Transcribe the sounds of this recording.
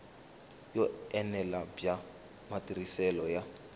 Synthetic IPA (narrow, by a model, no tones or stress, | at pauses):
jɔɛnɛlabja | matirisɛlɔja